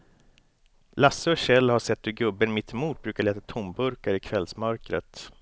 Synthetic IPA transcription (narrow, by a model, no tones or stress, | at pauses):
lasːəɔɕɛlːhaʂɛt̪ːɵɡɵbːənmɪt̪muːʈ̪̚bɾʉ̟ːkaɭeːt̪at̪ʰʊmbɵɾkaɾɪkʰvɛlsmœɾkɾə̰t̪